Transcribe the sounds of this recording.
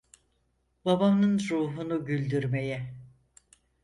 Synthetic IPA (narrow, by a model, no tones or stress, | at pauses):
babamnɯnɾuːɦunuɟylʲd̪yɾme̞jɛ